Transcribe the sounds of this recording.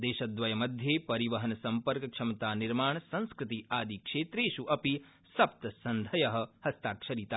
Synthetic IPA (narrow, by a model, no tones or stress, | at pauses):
d̪eːʃɐd̪ʋɐjɐmɐd̪ʱjepɐɾiʋɐɦɐnsɐmpɐɾkkʂɐmt̪aːniɾmaːɳsɐ̃nskɾɪt̪iaːd̪ʱikʂeːt̪ɾeːʃuʔɐpi | sɐp̚t̪ɐsɐnd̪ʱɐjɐɦɐ̆hɐst̪aːkʂɐɾit̪aː